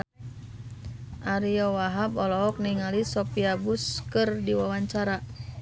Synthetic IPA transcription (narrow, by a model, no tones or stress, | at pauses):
ʔaɾiɔwaɦabɔlɔɦɔk̚niŋalisɔpiabuskɨrdiwawaɲt͡ʃaɾa